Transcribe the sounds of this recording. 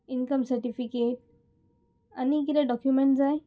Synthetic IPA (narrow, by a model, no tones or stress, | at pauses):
inkəmsəɾʈifikeʈ̚ | anikit̪ɛ̃ɖɔkjumeɳʈd͡zaj